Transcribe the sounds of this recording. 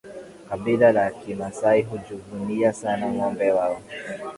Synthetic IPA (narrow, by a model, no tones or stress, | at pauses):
kaɓilalakimasaiɦud͡ʒuvuniasanamɔmbɛwaɔ